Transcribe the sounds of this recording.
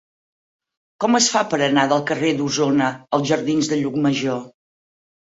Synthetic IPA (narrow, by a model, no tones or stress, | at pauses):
kɔməsfapəɾənaðəlˠkəred̪uzonəəlˠzʒəɾðinzðəʎuk̚məʒo